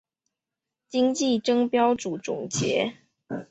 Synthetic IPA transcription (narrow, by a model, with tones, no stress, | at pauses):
t͡ɕi˥ŋt͡ɕi˥˩ʈ͡ʂɤ˥ŋpjɑ˥ʊʈ͡ʂu˨˩ʈ͡ʂʊ̰˨˩ŋt͡ɕjɛ̰˧˥˦